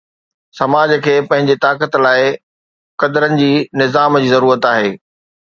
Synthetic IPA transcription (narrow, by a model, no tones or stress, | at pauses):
sɐmaːd͡ʑkʰeːpɐ̃ɦɪ̃ɲd͡ʑet̪aːkət̪laːɪ | kɐd̪əɾənɪ̆d͡ʑiːnɪzaːmd͡ʑiːzɐɾuːɾət̪aːɦeː